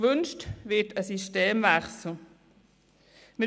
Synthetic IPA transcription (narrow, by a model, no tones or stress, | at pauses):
ʋʏnʃtvɪtəsiʃteːmvæχsl̩ | mɪ